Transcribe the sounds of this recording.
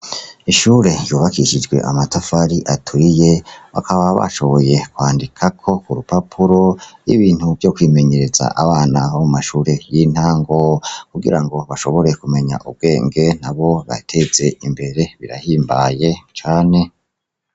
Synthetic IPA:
iʃuːɾe̞jo̞ːβakiʃid͡ʒɡwe̞̰ʔa̰matafaɾiʔatʰuije̞βa̰kʰaβaβa̰ʃo̞βo̞je̞kwaːndikʰakʰo̞kuɾupapʰuɾo̞ḭβiːn̥huvjo̞kwiːme̞ɲe̞ɾe̞za̰ʔaβaːnaβaumaʃuɾe̞jin̥haːŋɡokuɡḭɾaŋɡo̞βaʃo̞βo̞ɾe̞kume̞ɲa̰ʔub̚ɡe̞ːŋɡe̞n̥aβo̞βa̰tʰe̞ze̞imbe̞ɾe̞βiɾa̰hiːmbaje̞t͡ʃaːne̞

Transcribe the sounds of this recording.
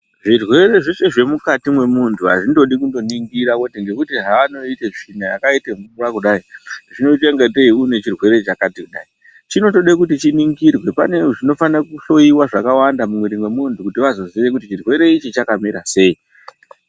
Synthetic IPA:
ʐirwe̞ɾe̞ʐise̞ʐe̞mukatimwe̞muntʰuɦa̰ʐindo̞ɗikundo̞niŋɡiɾakotiŋɡe̞kutiɦaano̞iteʐinajakaiteŋurwakuɗaiʐ̥ino̞iteŋɡeteiune̞t͡ʃirwe̞ɾe̞t͡ʃakatikuɗa̰i | t͡ʃino̞to̞ɗekutit͡ʃiniŋɡirwe̞pa̰neʐino̞fanrakuɬo̞iwaʐakawandamumwiɾimwe̞muntʰukutiʋazo̞ziʋe̞kutit͡ʃirwe̞ɾe̞it͡ʃit͡ʃakamiɾase̞i

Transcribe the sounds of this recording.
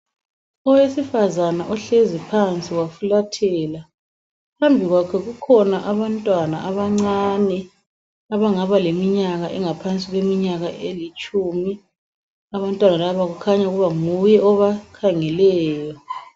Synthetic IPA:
ɔwesifazanaʔɔɬezipʰant͡sʼiwafulatʰɛla | pʰambʱiɣwakʰɛɣukʰɔnaʔaβantʼwana̰ʔaβaŋ͡ǀanɛ | aβaŋaβalemiɲaɣaʔɛŋapʰant͡sʼiɣwemiɲaɣaʔelit͡ʃʼumi | aβantʼwanalaβaɣukʰaɲauɣuβaŋujɛɔβakʰaŋɛlɛːjɔ

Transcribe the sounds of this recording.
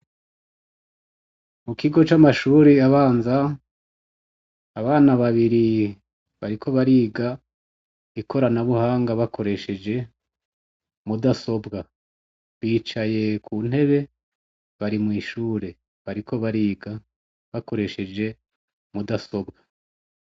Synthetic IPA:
mukʰiɡo̞t͡ʃamaʃuːɾiaβaːnza | βaːnaβaβiɾi | βaɾikʰo̞βaɾiːɡa | ikʰo̞ɾanaβuhaːŋɡaβakʰo̞ɾe̞ʃe̞d͡ʒe̞ | mudaso̞bɡa | βiːt͡ʃaje̞kʰuːn̥e̞βe̞ | βaɾimŋiːʃuːɾe̞ | βaɾikʰo̞βaɾiːɡa | βako̞ɾe̞ʃe̞d͡ʒe̞ | mudaso̞bɡa

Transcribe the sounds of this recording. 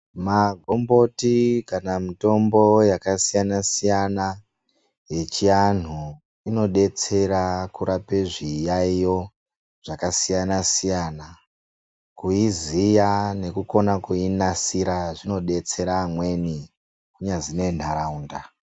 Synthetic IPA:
maɡʱo̞mbo̞tikanamito̞mbo̞jakasijanasijana | je̞t͡ʃian̤u | ino̞ɗe̞t͡se̞ɾakuɾapeʐijaijo̞ | ʐ̥akasijanasijana | kuizijane̞kuko̞nakuinasiɾaʐino̞ɗe̞t͡se̞ɾamwe̞ni | kuɲad͡zine̞n̤aɾaunda

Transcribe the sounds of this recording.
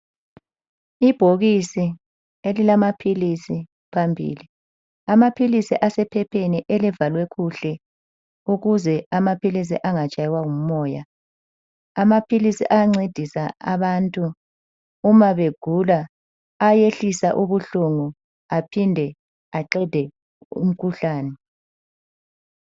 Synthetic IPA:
ib̥ʱoɣisi | elilamapʰilisi | pʰambʱḭːli | amapʰilisiʔasɛpʰɛpʰeniʔɛlivalwɛkuɬɛ | uɣuzɛamapilis̬ḭʔaŋat͡ʃʼajɛwaŋum̩mɔːja | amapʰilisḭʔaŋ͡ǀed̥ʱisaa̰βantʼuː | maβeɡ̥ʱulaː | jeɬisaʔuβuɬuŋu | apʰindʱɛ | aǃɛd̥ʱɛ | ṵm̩kʰuɬaːnɛ

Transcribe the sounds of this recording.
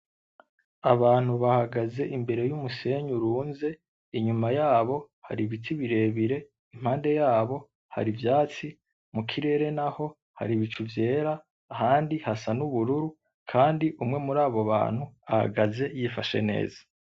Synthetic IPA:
aβaːn̥huβahaɡaze̞ʔimbe̞ɾe̞jumuse̞ɲuɾuːnze̞ | iɲumajaːβo̞ | ha̰ɾiβitʰiβiɾe̞βiɾe̞ | im̥haːnde̞jaːβo̞ | ha̰ɾivjaːt͡si | mukʰiɾe̞ːɾe̞naho̞ | ha̰ɾiβit͡ʃuvje̞ːɾaː | ɦaːndihasanuβuɾuɾu | kʰaːndiʔumŋe̞muɾaːβoβa̰ːn̥huaha̰ɡaze̞jifaʃe̞̰ne̞̰ːzḁ

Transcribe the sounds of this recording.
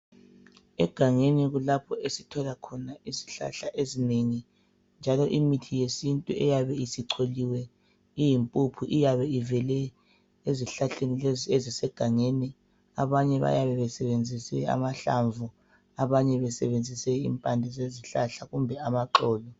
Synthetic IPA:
ɛɡ̥ʱaŋeniɣulapʰɔesitʰɔlakʰɔnaiziɬa̰ɬaʔezineŋi | nd͡ʒʱalɔʔimitʰijesintʼuʔɛjaβɛisiǃʰoliwɛ | ijimpʼupʰuʔijaβɛivɛlɛ | eziɬaɬenizezisɛɡ̥ʱaŋeni | aβaɲɛβa̰jaβɛβɛsɛβend͡zʱisɛa̰maɬa̰ɱvu | aβaɲɛβɛsɛβend͡zʱisɛḭmpʼandʱizeziɬaɬaɣumbʱɛamaǃɔːlɔ

